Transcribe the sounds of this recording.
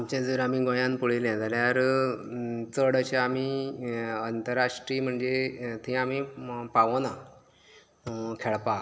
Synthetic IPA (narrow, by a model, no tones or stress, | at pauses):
amt͡ɕãd͡zuɾamiːɡõjãnpuɽelẽd͡zaljaɾ | t͡səɽəɕaami | ənt̪əɾaʂʈɾiːm̤əɳd͡zet̪ʰĩamipaʋona | kʰeɭpa